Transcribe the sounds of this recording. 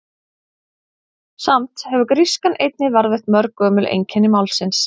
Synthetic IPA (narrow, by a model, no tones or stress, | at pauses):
samt̪hɛvʏkɾiskanejt̪̚nɪvaɾvɪht̪mœɾkœːmʏlʔḛjɲcʰɛnːɪmawlsɪns